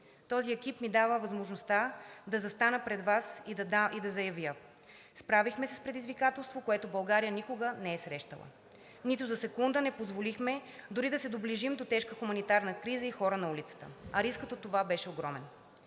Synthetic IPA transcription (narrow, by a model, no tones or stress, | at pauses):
t̪ɔziɛk̟ipmid̪avəvɐzmoʒnost̪ad̪ɐzɐst̪anəpɾɛd̪vasid̪id̪ɐzɐjɐvjə | spɾavixmɛsɛspɾɛd̪izvikat̪ɛlˠst̪vokoɛt̪obɐlˠɡaɾijənikoɡənɛɛsɾɛʃt̪ə̰lˠə̰ | nit̪ʊzɐsɛkund̪ənɛpozvolixmɛd̪ʊɾid̪ɐsɛd̪obliʒimd̪ot̪ɛʃkəxumɐnit̪aɾnəkɾizəixɔɾənɐulit̪sə̥t̪ə̰ɐɾiskət̪ot̪ovabɛʃɛoɡɾɔmɛn